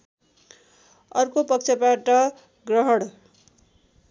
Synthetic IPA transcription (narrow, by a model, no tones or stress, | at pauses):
ʌrkopʌk̚t͡sʰʌpaʈʌ | ɡrʌɦʌɽ